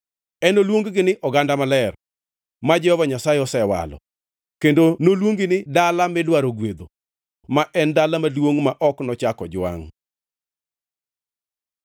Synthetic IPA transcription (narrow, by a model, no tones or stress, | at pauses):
ɛnolwoŋɡɡɪnɪʔɔɡandamalɛr | mad͡ʒɛhɔvaɲasaɛɔsɛwa̰lɔ̰ | kendonolwoŋɡɪnɪdalamɪdwaɾoɡwed̪o | maʔɛndalamalwoŋmaʔɔknɔt͡ʃakɔd͡ʒwa̰ŋ